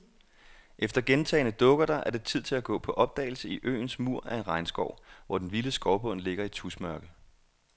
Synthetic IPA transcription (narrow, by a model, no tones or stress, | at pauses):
ʔefd̥ɐɡ̥ent͡sʰɛ̰ːɪnəd̥ɔ̽ɡ̥ɐɾ̥ɑ̈ʔæɐd̥e̝t͡sʰið̞̰ˠt͡sʰe̝læɡ̥ɔ̰̽ːpʰɒ̽ʔɒ̽b̥̚d̥ɛ̰ːɪl̩səiʔø̰ːnsmuɐ̰æe̝nʁɑ̈ɪnsɡ̥ɒʊ̰ʋɒ̰d̥enʋiləsɡ̥ɒʊb̥ɔ̽nle̝ɡ̥ɐit͡sʰusmɶɐɡ̥ə